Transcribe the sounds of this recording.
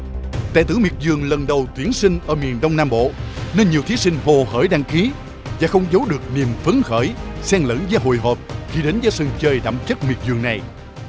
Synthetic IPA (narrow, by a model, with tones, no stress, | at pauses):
t̪a̰ː˧˨t̪ɨ̰˧˥˦mi˨˩ət̚zɨ˨˩əŋlə˨˩nɗə˨˩wt̪wi˨˦ənsï˧ŋ̟ʔəː˧˩mi˨˩ənɗə˧wŋ͡mnaː˧mɓo̰˧˨ne˧nɲi˨˩əwt̪ʰi˨˦sï˧ŋ̟vo˨˩xəː˧˩jɗaː˧ŋxi˨˦ | vaː˨˩xə˧wŋ͡mzə˨˦wɗɨ˨˩ək̚ni˨˩əmfɨ˨˦ŋxəː˧˩jsɛ˧ŋlə̰˧˥nzaː˧ɦo̰˧˨jɦəː˨˩p̚xi˧ɗe˨˦nzəː˨˦sɨ˧˩ŋt͡ɕəː˧jɗa̰ː˧˨mt͡ɕə˦˥t̚mi˨˩ət̚zɨ˨˩əŋna˨˩j